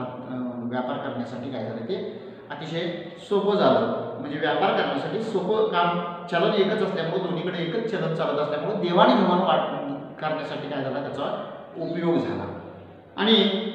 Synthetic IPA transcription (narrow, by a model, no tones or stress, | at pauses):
ʋjapaɾkəɾɳjasaʈʰiːkajd͡zʱalət̪e | at̪iɕe | sopəd͡zʱalət̪m̤əɳd͡zeʋjapaɾkəɾɳjasaʈiːsopəkamt͡ɕalənekət͡səst̪jamuɽə̃d̪oɽiːkəɽeekət͡st͡ɕelət̪̚t͡salət̪əst̪jamuɭəd̪eʋaɽ̃iɦiʋanʋaʈkəɾɳjasaʈʰiːkajd͡zʱalat̪at͡sa | upjoɡd͡zʱala̰ | a̰ɽ̃i